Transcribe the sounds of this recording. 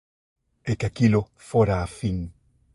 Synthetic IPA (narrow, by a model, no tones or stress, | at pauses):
ekakilo | foɾaːfiŋ